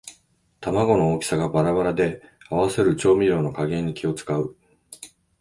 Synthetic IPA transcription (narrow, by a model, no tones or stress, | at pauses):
t̪amaɡo̞no̞oːkʲi̥saɡabaɾaβaɾad̪e̞aβ̞ase̞ɾɯ̟t͡ɕo̞ːmʲiɾʲo̞ːno̞kaɡẽ̞ɲ̟ːikʲio̞t͡sɨ̥kaɯ̟